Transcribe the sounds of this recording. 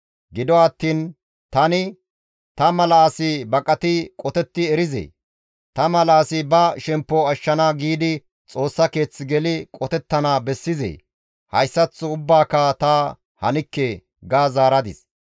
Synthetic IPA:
ɡɪd̪ɔɐt̪ːiːn | t̪ɐnɪ | t̪ɐmɐlaːsɪbɐkʼɐt̪ɪkʼɔt̪ɛt̪ːɪɛɾɪzɛ̰j | t̪ɐmɐlaːsɪbɐʃɛmpːɔɐʃːɐnaːɡiːd̪ɪ | t͡sʼo̞ːsːɐke̞ːt͡sːɪɡɛlɪkʼɔt̪ɛt̪ːɐnaːbɛsːɪzɛ̰j | hɐ̰jsːɐt͡sːʊʊbːaːkat̪ɐ | hɐ̰nɪkːɛ | ɡaːzaːɾɐd̪ɪs

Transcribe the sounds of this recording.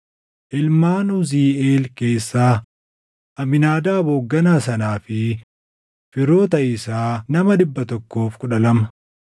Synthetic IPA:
ʔɪlmaːnʊziːʔeːlke̞ːsːaː | ʔɐmɪnaːd̪aːboːɡːɐnaːsɐnaːfɪ | fɪɾo̞ːt̪ɐʔɪsaːnɐmɐᶑɪbːɐt̪ɔkːo̞ːfkʼʊᶑɐlɐmɐ

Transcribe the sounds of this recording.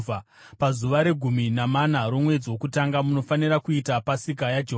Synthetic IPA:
a | pazuʋaɾe̞ɡʱuminamanaɾomwe̞d͡ziwo̞kutaŋɡamuno̞faniɾakuitapasik̬ajad͡ʒeɦo

